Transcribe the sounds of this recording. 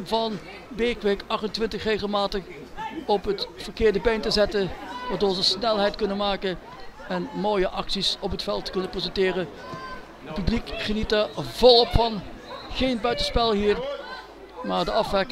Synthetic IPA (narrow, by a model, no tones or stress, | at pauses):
vɑn | bekʋekɑχtəntʋɪntəxreːɣəlˠmaːtəχ | ɔpɦətfərkɪːɹdəbejntəzɛtəʋaːɹdʊːɹzəsnɛlˠɦɛjtkɵnənmaːkə | ɛnmoːjəʔɑksisɔpətfɛlˠtə̥kɵnəprezɛntɪːrə | pyblikχənitəvɔlˠɔpfɑnɣeːnbœɥtəspɛlˠɦiːr | maːɹdəɑfʋɛk